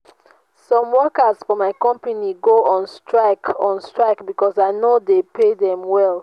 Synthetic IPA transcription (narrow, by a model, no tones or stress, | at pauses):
sɔ̃mwɔkəsfɔmaɪkɔ̃mpaniɡoɔ̃nstɹaɪkʰɔ̃nstɹaɪkbikɔsaɪnodepʰedɛ̃mwɛlˠ